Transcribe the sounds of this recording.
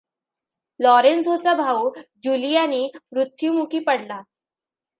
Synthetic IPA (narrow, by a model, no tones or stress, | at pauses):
lɔɾensɦot͡sabʱaud͡ʑulijaniːɾut̪ʰːjumukiːpəɽla